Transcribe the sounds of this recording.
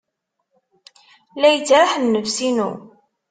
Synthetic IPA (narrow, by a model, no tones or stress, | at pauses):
læjət͡sːɾaħənːəvsinṵ